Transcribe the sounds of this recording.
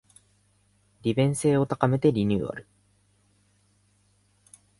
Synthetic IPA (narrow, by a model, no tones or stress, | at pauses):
ɾʲibẽ̞ɰ̃se̞ːo̞t̪akame̞t̪e̞ɾʲiɲ̟ʲɨ̰ːa̰ɾɯ̟